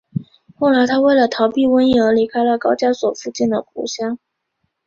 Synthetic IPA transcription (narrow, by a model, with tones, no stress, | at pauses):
xo˥˩ʊla˧˥ɪt̪ʰa˥we˥˩ɪlə˩t̪ʰɑ˧˥ʊpi˥˧wə˥n˧˩˧li˧˥kʰa˥ɪlə˨kɑ˥ʊt͡ɕja˥swɔ˨˩fu˥˧t͡ɕɛ˥˩nd̪ə˩pʰṵ˧˥ɕjɑ˥ŋ